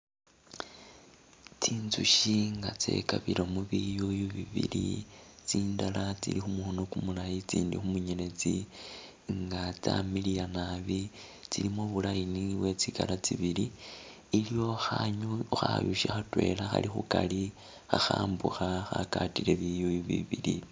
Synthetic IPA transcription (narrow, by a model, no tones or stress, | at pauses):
t͡siːnzuʃiŋɡat͡se̞̰kaβiɾomuβijujuβiβḭlit͡siːndalat͡sḭlixumuxonokumulajit͡siːndixumuɲene̞t͡si | ŋɡat͡samilijanaβi | t͡silimoβulajiniβwe̞t͡sikalat͡siβiliː | lijo̞xaɲuxajuʃexatwe̞̰laxa̰lixukali | xaxaːmbuxaxakatile̞βijujuβḭβili